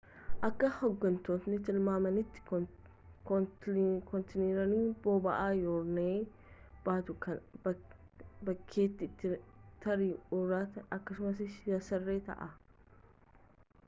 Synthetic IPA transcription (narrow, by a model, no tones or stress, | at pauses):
ʔɐkːɐhɔɡːɐnt̪oːt̪nɪt̪ɪlmaːmɐnɪt̪ːɪ̥ | k | kɔnt̪ɪniːɾɐniːboːbɐʔaːjoːɾneː | baːt̪ʊkɐb | bɐkʰːeːt̪ːɪːt̪ːɪt̪ɐɾiʊrːaːt̪ɐɐkːɐsʊmɐsɪjɐsɐrːeːt̪ɐ̰ʔɐ